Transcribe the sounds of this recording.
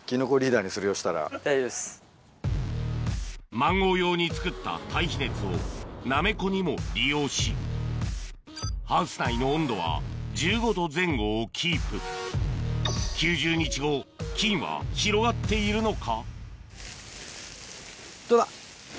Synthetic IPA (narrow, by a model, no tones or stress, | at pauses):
kʲino̞koɾʲiːd̪aːɲ̟isɨɾɯjoɕi̥t̪aɾa̰s | mãŋɡo̞ːjo̞ːɲ̟it͡sɨ̥kɯ̟t̪ːa̰t̪aiçine̞t͡sɨo̞name̞ko̞ɲ̟imo̞ɾʲijo̞ːɕi | hãɰ̃sɨ̥nainõ̞ːnd̪o̞βa̰d͡ʑɨːɡo̞t̪o̞zẽ̞ŋɡo̞ːkʲʰiːpɯ̟ | kʲɨːʑɨːɲ̟it͡ɕiɡo̞kʲĩɰ̃βa̰çiɾo̞ɡat̪ːe̞iɾɯ̟no̞kʰa | t̪od̪a